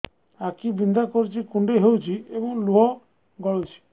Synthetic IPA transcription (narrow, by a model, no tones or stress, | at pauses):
akibind̪akɔɾut͡ʃʰikuɳɖeɦewt͡ʃʰiebɔŋluɦɔ | ɡɔɭewt͡ʃʰi̥